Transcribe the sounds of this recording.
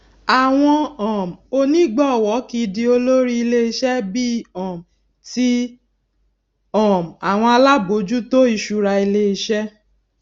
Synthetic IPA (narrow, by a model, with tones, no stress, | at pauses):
a˨w̃ɔ̃˧ɔ̃˨m˨o˧nĩ˦ɡ͡bɔ˦˨wɔ˨˦ki˧di˧o˧lo˦ɾi˦i˧le˦i˧ʃɛ˦bi˦ɔ̃˨m˨ | ti˦ | ɔ̃˨m˨a˨w̃ɔ̃˧a˧la˦bo˨˦d͡ʒu˦to˦i˦˧˨ʃu˧ɾa˧i˧le˦i˧ʃɛ˦